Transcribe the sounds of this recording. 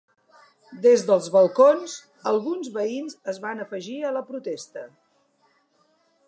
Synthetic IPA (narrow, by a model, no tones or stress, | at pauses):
d̪ezðəlˠzβəlˠkonz | əlˠɣunzβəinzəzβanəfəʒiələpɾut̪ɛst̪ə